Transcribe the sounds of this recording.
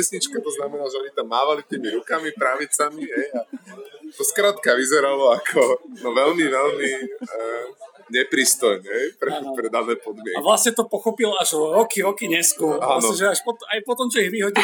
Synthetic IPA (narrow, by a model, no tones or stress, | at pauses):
ɛsɲit͡ʃkat̪ɔznamɛnaːʒɛɔɲit̪amːaːʋalit̪iːmiɾukamipɾaʋit͡samiɦɛjat̪ɔskɾaːt̪kaʋizɛɾalɔakʰɔnɔʋɛlmiʋɛlmi | ɲɛpɾiːst̪ɔjmɛɦɛjpɾɛpɾɛd̪anɛːpɔd̪mɪɛkaʋlasɲɛt̪ɔpɔxɔpilaʒɾɔkiɾɔkiɲɛskumanɔʒɛaʃpɔt̪ajpɔt̪ɔmt͡ʃɔiɣʋiɦɔɟi